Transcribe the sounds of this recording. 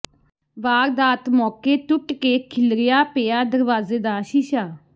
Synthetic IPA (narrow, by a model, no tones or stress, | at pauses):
ʋaːɾd̪aːt̪mɔːkeːt̪ʊʈkeːkʰɪlɾɪjaːpeːaːd̪əɾʋaːzeːd̪aːʃiːʃaː